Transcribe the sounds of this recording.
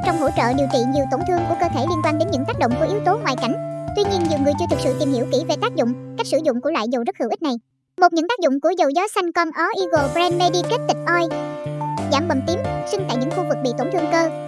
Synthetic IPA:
t͡ɕɔ˧wŋ͡mɦo̰˧˥t͡ɕə̰ː˧˨ɗi˨˩əwt͡ɕḭ˧˨zi˨˩əwt̪o˧˩nt̪ʰɨ˧əŋku˧˩əkəː˧t̪ʰe˧˩li˧ənkwaː˧nɗe˨˦nɲɨ̰˧˥ŋk̪aː˦˥k̚ɗo̰˧˨ŋ͡mku˧˩ʔi˨˦wt̪o˨˦ŋwaː˨˩jka̰˧˩jŋ̟t̪wi˧ɲi˧ənzɨ˨˩wŋɨ˨˩əjt͡ɕɨ˧ət̪ɨ˨˩k̚sɨ̰˧˨t̪i˨˩mhi˧˩əwki˧˩ve˨˩t̪aː˦˥k̚zʊ̰˧˨ŋ͡mka˦˥jk̚sɨ˧˩zʊ̰˧˨ŋ͡mku˧˩əlwa̰ː˧˨jzə˨˩wzə˦˥t̚hɨ˧˩ʔi̟˦˥na˨˩j | mo˨˩t̚ɲɨ̰˧˥ŋt̪aː˦˥k̚zʊ̰˧˨ŋ͡mku˧˩əzə˨˩wzɔ˨˦sa˧jŋkɔ˧nʔɔ˨˦ʔi˧ɣo˨˩bɾɛ˧nme˧ɗi˧ke˦˥t̚t̪ï˨˩ŋ̟ʔɔ˧j | zaː˧˩mɓə˨˩mt̪i˨˦msi˧ŋt̪a̰˧˨jɲɨ̰˧˥ŋxu˧vɨ˨˩k̚ɓḭ˧˨t̪o˧˩nt̪ʰɨ˧əŋkəː˧

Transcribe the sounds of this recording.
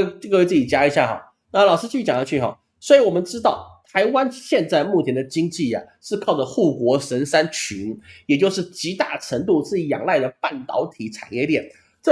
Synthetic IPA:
ke˥t͡sɹ̩˥˩i˨˩t͡ɕja˥i˧˥ɕja̰˥˩xɑ̰˨˩˦ʊ | na˥˩lɑ˨˩ʊʂɻ̩˥t͡ɕʰy˥˩t͡ɕjɑ˨˩ŋnɑ˧˥˧t͡ɕʰy˥˩xɑ̰˨˩˦ | swɔ˧˥i˧˥wɔ˨˩mə˧˦nʈ͡ʂɻ̩˥t̪ɑ˥˩ʊt̪ʰa˧˥ɪwa˥nɕjɛ˥˧nt͡sa˥˧ɪmu˥˩t͡ɕʰjɛ˧˥nd̪ə˨˧t͡ɕi˥ŋt͡ɕi˥˩ɐ̰˩ʂɻ̩˥˧kʰɑ˥˩ʊə˩xu˥˩kwɔ˧˥ʂə˧˥nʂa˥nt͡ɕʰy˧˥njɛ˨˩t͡ɕjo˥˧ʊʂ̬ɻ̩˥˩t͡ɕi˧˥t̪a˥˩ʈ͡ʂʰə˧˥ŋt̪̬u˥˧ʂɻ̩˥˩jɑ̰˨˩ŋla˥˩ɪd̪ə˩pa˥˩nt̪ɑ̰˧˥ʊt̪ʰi˨˧˥ʈ͡ʂʰa̰˨˩njɛ˥˧ljɛ˥˩n | ʈ͡ʂə˥˩

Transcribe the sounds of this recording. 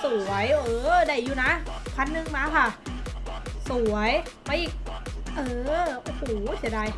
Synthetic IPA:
su˨˩ɐjʔɤː˧da˧˩jjuː˧na˦˥pʰa˧nːɯ˧ŋmaː˧kʰa˥˩ | su˨˩˦ɐj | ma˧jʔiː˨˩k̚ʔɤː˧ma˧˩suː˩˦t͡ɕʰaː˧˩˦daː˧˩j

